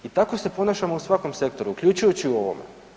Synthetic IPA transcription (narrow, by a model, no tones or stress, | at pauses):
it̪ako̞se̞po̞naʃamousʋako̞mse̞k̚t̪o̞ɾukʎʲut͡ʃujot͡ɕiuo̞ʋo̰mḛ